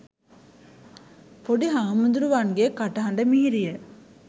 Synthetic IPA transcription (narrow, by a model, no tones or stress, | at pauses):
pɔɽiɦaːmund̪ɾɯʋaːnɡeːkɐʈːɐɦɐɳɖɐmiiɾɪjɐ